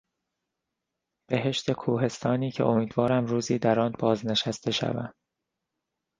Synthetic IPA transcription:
b̥e̞ɦe̞ʃt̪e̞kʰuːɦe̞st̪ʰɒːniːcʰe̞̰ʔo̞miːd̪vɒːɾæmɾuːziːd̪æɾɒnbɒːzne̞ʃæst̪ʰe̞ʃæ̰væ̰m̥

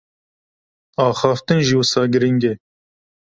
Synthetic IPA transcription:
ɑːxɑːft̪ɨnʒiwʊsɑːɡɨɾiŋɡɛ

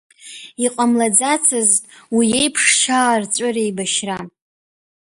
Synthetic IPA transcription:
iqʼamlad͡zat͡sʰɨztʼwiejpʰʂʃaːrt͡sʷʼʊrejbaʃra

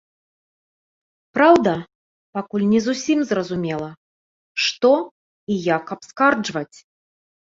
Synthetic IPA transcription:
pɾawd̪ɐ | pakulʲnʲɛzusʲimzrɐzumʲɛlˠɐ | ʂt̪ɔ | ijakɐpskard͡ʐvɐt͡sʲ

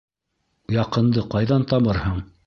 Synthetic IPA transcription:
jɑqɤ̆nd̪ɤqɑjðɑnt̪ɑβɤɾhɤɴ

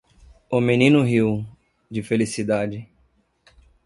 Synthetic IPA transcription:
omenĩnʊɦiw | d͡ʒɪfelisid̪ad͡ʒɪ

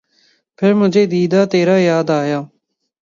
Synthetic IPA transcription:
pʰɪɾmʊd͡ʒʱeːd̪iːd̪aːt̪eːɾaːjaːd̪aːjaː

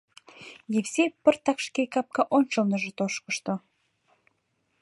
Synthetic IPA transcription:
jefsepə̆rt̪ɑkʃkejkɑp̚kɑʔonʃolnə̆ʒə̆t̪oʃkə̆ʃt̪o

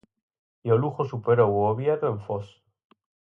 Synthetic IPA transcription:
joluxosupeɾowoβjaðoeɱfos

